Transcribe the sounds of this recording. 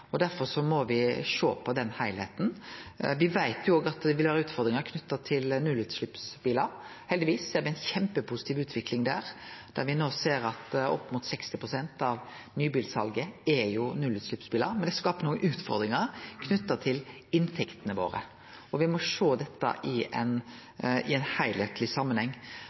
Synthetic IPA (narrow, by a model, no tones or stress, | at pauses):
ɔd̪æɾfɔɾʂɔmɔʋɪʂo̰ːpʰɔd̪ɛnhæɪlheːt̪n̩ʋɪʋæɪt̪jʊoːɡɑt̪d̪ɛʋɪlʋɑːɾɑʉːt̪fɔɾd̪ɾɪŋəɾkʰnʉt̪ːɑt̪ʰɪlnʉlːʉːt̪slʉpsbiːləɾ | hɛld̪ɪʋiːsːeːɾʋɪæɪnçɛmpəpʰʊsɪ̥t̪ʰiːʋʉːt̪ʰʋɪklɪŋd̪æ̰ːɾd̪̥æɾʋɪnoːseːɾɑt̪ɔ̰pːmut̪sɛkst̪ɪpʰɾʊsɛnt̪ɑʋ | nyːbiːlsɑlɡəɛjʊnʉlʉːt̪slʉpsbiːləɾmɛnd̪ɛskɑːpənuːəʔʉːt̪fɔ̰ɾd̪ɾɪŋəɾkʰnʉt̪ːət̪ʰɪl | ɪnt̪ʰɛkt̪ənəʋo̰ːɾə̰ | ɔʋɪmɔʂoːd̪ɛt̪ːə̰ʔɪʔɛ̰n | ɪɛnhæɪlɛt̪lɪsɑmːənhɛŋː